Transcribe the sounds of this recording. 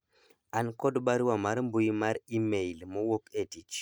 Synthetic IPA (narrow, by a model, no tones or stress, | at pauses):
ankodɓaɾiwamaɾmbujmaɾimejlməwoketit͡ʃ